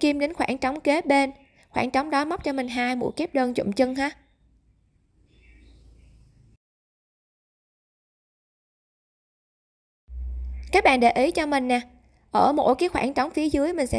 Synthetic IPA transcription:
ki˧mɗe˨˦nxwaː˧˩nt͡ɕɔ˨˦wŋ͡mke˨˦ɓe˧n | xwaː˧˩ŋt͡ɕɔ˨˦wŋ͡mɗɔ˨˦ma˦˥k͡p̚t͡ɕɔ˧mï˨˩ŋ̟ɦaː˧jmṵ˧˥jke˦˥p̚ɗəː˧nt͡ɕʊ̰˧˨ŋ͡mt͡ɕɨ˧ŋhaː˧˩ | kaː˦˥k̚ɓa̰ː˧˨nɗe˨˩ʔi˨˦t͡ɕɔ˧mï˨˩ŋ̟ːaː˨˩ | ʔəː˧˩mo̰˧˥˩jkaː˨˦jxwaː˧˩ŋt͡ɕa˨˦wŋ͡mfi˨˦əzɨ˨˦əjmï˨˩ŋ̟sɛ̰˧˥

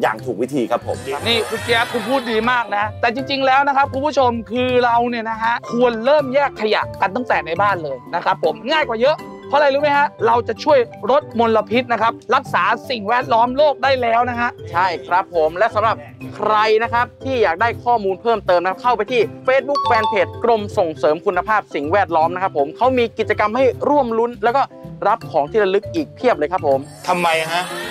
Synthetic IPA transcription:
ja̰ː˨˩ŋt̪ʰuː˨˩k̚wi˦˥t̪ʰiː˧kʰa˦˥pʰːo̰˩˦mniː˥˩kʰu˨˧˩t͡ɕɛː˦˥kʰu˧˩pʰuː˥˩t̪̚diː˧maː˥˩k̚na˦˥t̪ɛː˨˩t͡ɕi˧ŋt͡ɕi˧ŋlɛː˦˥wna˦˥kʰa˦˥p̚kʰu˧˦mpʰu˥˩t͡ɕʰo˧mkʰɯː˧ɾa˧wni˥˩ɐna˦˥kʰa˦˥ʔkʰu˧ənɾɤː˥˩mjɛː˥˩kʰːa˧ja̰˨˩ka˧nt̪a˥˩ŋt̪ɛː˨˩na˧jbaː˥˩nlɤː˧jna˦˥kʰɾa˦˥pʰːo˩˦mŋaː˥˩jkwaː˨˩jɤ˦˥ʔ | pʰɔ˦˥˨la˧jɾuː˦˥ma˦˥jkʰa˦˥ɾa˧wt͡ɕa˨˩t͡ɕʰu˥˩əjɾo˦˥t̪̚mo˧nla˧pʰi˦˥t̪̚na˦˥kʰa˦˥p̚ɾa˦˥k̚saː˩˦si˨˩ŋwɛː˦˥˩t̪̚lɔː˦˥mloː˥˩k̚daː˥˩jlɛː˦˥wna˦˥kʰa˦˥t͡ɕʰa˥˩jkʰɾa˦˥pʰːo˩˦mlɛ˦˥sa˨˦mɾa˨˩p̚ | kʰɾa˧jna˦˥kʰa˦˥p̚t̪ʰiː˥˩jaː˨˩k̚daː˥˩jkʰɔː˥˩muː˧npʰɤː˥˩mt̪ɤː˧mna˦˥a˥kʰa˥˩wpa˧jt̪ʰiː˥˩feː˦˥t̪̚bu˦˥k̚fɛː˧npʰeː˨˩t̪̚kɾo˧mso˨˩ŋsɤː˩˦mkʰu˧nːa˧pʰaː˥˩p̚si˨˩ŋwɛː˥˩t̪̚lɔː˦˥mna˦˥kʰa˦˥pʰːo˩˦mkʰa˦˥wmiː˧ki˨˩t͡ɕa˧ka˧mha˥˩jɾu˥˩əmlu˦˥nlɛː˦˥wkɔː˥˩ɾa˦˥p̚kʰɔː˩˦ŋt̪ʰiː˥˩ɾa˧lɯ˦˥k̚ʔiː˨˩k̚pʰi˥˩əp̚lɤː˧jkʰa˦˥pʰːo˩˦m | t̪ʰa˧mːa˧jaka˦˥ʔ

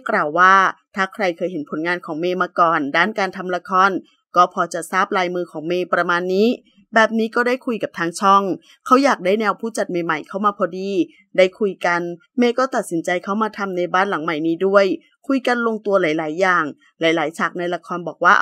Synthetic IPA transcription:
klaː˨˩wːaː˥˩t̪ʰaː˥˩kʰɾa˧jkʰɤː˧jɦe˩˦npʰo˩˦nŋaː˧nkʰɔː˩˦ŋmeː˧maː˧kɔː˨˩ndaː˥˩nkaː˧nt̪ʰa˧mla˧kʰɔː˧n | kɔː˥˩pʰɔː˧t͡ɕa˨˩saː˥˩p̚laː˧jmɯː˧kʰɔː˩˦ŋmeː˧pɾa˧maː˧nːiː˦˥ | bɛː˨˩p̚niː˦˥kɔː˥˩daː˥˩jkʰu˧jka˨˩p̚t̪ʰaː˧ŋt͡ɕʰɔ˥˩ŋ | kʰa˦˥wjaː˨˩k̚daː˥˩jnɛː˧wpʰuː˥˩t͡ɕa˨˩t̪̚meː˧ma˨˩jkʰa˥˩wmaː˧pʰɔː˧diː˧ | daː˥˩jkʰu˧jka˧n | meː˧kɔː˥˩t̪a˨˩t̪̚si˩˦nt͡ɕa˧jkʰa˦˥wmaː˧t̪ʰa˧mna˧jbaː˥˩nla˨˩˦ŋma˨˩jniː˦˥du˥˩əj | kʰu˧jka˧nlo˧ŋt̪u˧əlaː˩˦jlaː˩˦jːaː˨˩ŋ | laː˩˦jlaː˩˦jt͡ɕʰa˨˩k̚na˧jla˧kʰɔː˧nbɔː˨˩k̚waː˥˩

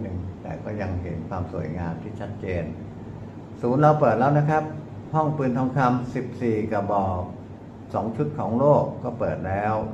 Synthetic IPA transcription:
nɯ˨˩ŋt̪ɛ̰ː˨˩kɔː˥˩ja˧ŋɦḛ˩˦nkʰwaː˧msu˨˩ə˦jŋaː˧mt̪ʰiː˥˩t͡ɕʰa˦˥t̪̚t͡ɕeː˧n | suː˩˦nɾa˧wpɤː˨˩t̪̚lɛː˦˥wna˦˥kʰɾa˦˥p̚ | hɔ˥˩ŋpɯː˧nt̪ʰɔː˧˥ŋkʰa˧msi˨˩p̚siː˨˩ka˨˩bɔː˧˩ | sɔː˩˦ŋt͡ɕʰu˦˥t̪̚kʰɔː˩˦ŋloː˥˩kːɔː˥˩pɤː˨˩t̪̚lɛː˦˥w

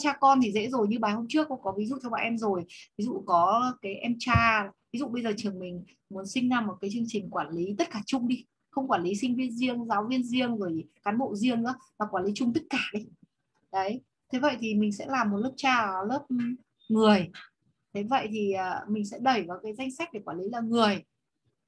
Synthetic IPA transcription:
t͡ɕaː˧kɔ˧nt̪ʰi˨˩zḛ˧˥zo˨˩jɲɨ˧ɓaː˨˩ho˧mt͡ɕɨ˦˥əkːʊ̰˧˥ŋ͡mkɔ˨˦vi˨˦zṵ˧˨t͡ɕʰɔ˧wɓa̰ː˨ʔɛ˧mzo˨˩jvi˨˦zṵ˧˨kɔ˨˦kaː˨˦jʔɛ˧mt͡ɕaː˧vi˨˦zṵ˧˨ɓə˧jzəː˨˩t͡ɕɨ˨˩əŋmï˨˩ŋ̟ | mu˨˦ənsï˧ŋ̟na˧mːo˨˩t̚kaː˨˦jt͡ɕɨ˧əŋt͡ɕï˨˩ŋ̟kwaː˧˩nli˨˦t̪ə˦˥t̚kaː˧˩t͡ɕʊ˧ŋ͡mɗi˧ | xə˧wŋ͡mkwaː˧˩li˨˦sï˧ŋ̟vi˧ənzi˧əŋzaː˨˦wvi˧ənzi˧əŋzo˧˩jkaː˨˦nɓo̰˧˨zi˧əŋnɨ̰˧˥əmaː˨˩kwaː˧˩nli˨˦t͡ɕʊ˧ŋ͡mt̪i˦˥t̚kaː˧˩ɗi˧ | ɗə˨˦j | t̪ʰe˨˦və̰˧˨jt̪ʰi˨˩mï˨˩ŋ̟sɛ̰˧˥laː˨˩mː˨˩t̚ləː˦˥p̚t͡ɕaː˧˨ləː˦˥p̚ | ŋɨ˨˩əj | t̪ʰe˨˦və̰˧˨jt̪ʰi˨˩ʔəː˨˩mï˨˩ŋ̟sɛ̰˧˥ɗə˨˧˩jkaː˨˦kaː˨˦jza˧jŋ̟sa˦˥k̟̚ɗe˧˩kwaː˧˩li˨˦laː˨˩ŋɨ˨˩əj

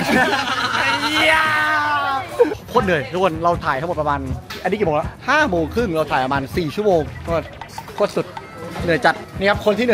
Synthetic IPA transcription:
ja | kʰoː˥˩t̪̚nɯ˨˩əjɾu˧˩ənɾa˧wt̪ʰaː˨˩j̪ʰa˥ŋ˨˩t̚pɾa˧maː˧na˧niː˦˥i˨˩oː˧la˧˥haː˥˩moː˧ŋkʰɯ˥˩ŋɾa˧wt̪ʰaː˨˩jpɾmaː˧nsiː˨˩t͡ɕʰu˥ə˩moː˧ŋʰ˥˧˥t̪kʰu˥˩ət̪̚su˨˩t̪̚ | nɯ˨˩əjt͡ɕa˨˩t̪̚na˥˩ja˦˥p̚kʰo˧nt̪ʰiː˥˩n˨˩˨

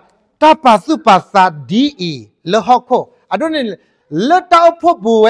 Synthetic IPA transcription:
ta˦˨pa˨su˦˨pa˨sa˧˨di˦ʔi˨ | lə˦ɦɔ˦˨kʰo˦˨ | ʔa˨do˦˨ni˨ | lə˦ta˦˨ʔo˦pʰo˦˨bu˨w

